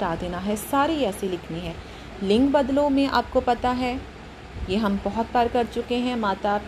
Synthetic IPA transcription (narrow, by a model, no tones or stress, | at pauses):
aːd̪eːnaɦɛsaːɾiɛːselɪkʰniɦɛ̃ː | lɪ̃ŋkbɐd̪lomẽʔa̰ːp̚kopɐt̪aɦɛ | jeːɦɐmbɔɦɔt̪̚bəɾkɐɾt͡ʃʊkeɦɛ̃maːt̪ap